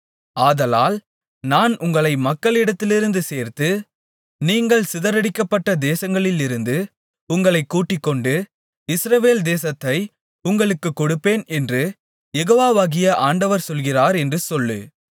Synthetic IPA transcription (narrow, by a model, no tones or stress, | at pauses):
aːðɐla̰ːl | naːnʔʊŋɡɐɭɐɪmɐkːɐɭɪɽɐt̪ːɪlɪɾɯnd̪ɯseːɾt̪ɯ | niːŋɡɐɭsɪðɐɾɐɽɪkːɐpːɐʈːɐd̪eːsɐŋɡɐɭɪlɪɾɯnd̪ɯ | ʊŋɡɐɭɐɪkːuːʈːɪkːɔɳɖɯ | ɪsɾɐʋeːld̪eːsɐt̪ːɐɪ | ʊŋɡɐɭɯkːɯkːɔɽɯpːeːnɛndrɯ | jɛɣoːʋaːʋaːɣɪjɐʔaːɳɖɐʋɐɾsɔlɣɪraːɾɛndrɯsɔlːɯ̰